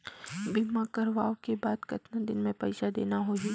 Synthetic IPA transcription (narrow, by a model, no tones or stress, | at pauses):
bɪmakɐɾʋaːokebaːd̪kɐt̪nad̪ɪnmẽpɐɪʃad̪ḛːnaɦoːɦi